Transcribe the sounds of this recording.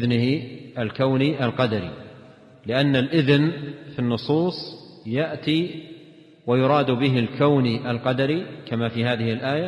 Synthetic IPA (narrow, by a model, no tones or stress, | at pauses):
ðnɪɪalkawniʔalqɑd̪aɾḭ | lɪʔanːalʔɪðnfinːʊsˤuːsˤjaʔt̪i | wajʊɾˤɑːd̪bɪɦɪlkawniʔalqɑd̪aɾikamafiɦaːðɪhɪlʔaːja